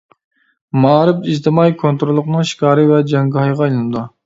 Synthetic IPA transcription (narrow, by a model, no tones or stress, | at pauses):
mɑːɾɪpiʒt̪ʰɨmɑjkʰont̪ɾolˠːʊqnɨŋʃi̥kɑːɾɨvɛd͡ʒɑŋɡɑhɑjʁɑilˠɨnɨd̪u